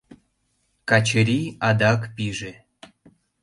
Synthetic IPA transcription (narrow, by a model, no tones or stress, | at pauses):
kɑt͡ɕəɾʲiɑd̪ɑkpiʒe